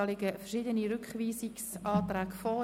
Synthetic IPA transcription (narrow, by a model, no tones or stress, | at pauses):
ɑlɪɡəfɛʃid̪əniɾʏkχʋiːsɪksɑːt̪ræːkfɔ